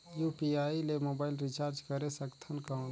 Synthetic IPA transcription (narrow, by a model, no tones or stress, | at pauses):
jupiaːilemoːbaːɪlɾit͡ʃaːɾd͡ʒkəɾesəkt̪ʰənkã